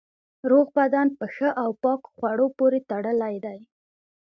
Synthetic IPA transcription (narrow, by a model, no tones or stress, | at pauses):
ɾoɣbad̪ɑnpəxəʔawpɑkxwaɽopoɾet̪aɽəlajd̪aj